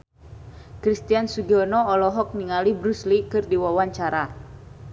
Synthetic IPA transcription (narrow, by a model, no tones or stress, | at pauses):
kɾist̪iansuɡiɔnɔːlɔɦɔk̚niŋalibɾuslikɨrdiwawaɲt͡ʃaɾa